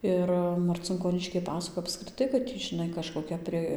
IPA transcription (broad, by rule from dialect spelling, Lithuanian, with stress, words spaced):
ˈɪr mɐrʲt͡sʲɪŋkoːˈnʲɪʃʲkʲɛɪ ˈpɑːsɐkoːj ɐpskrʲɪˈtɐɪ kɐt ɪ tʲiː ʒʲɪˈnɐɪ kɐʃkoːˈkʲɛ pʲrʲɪ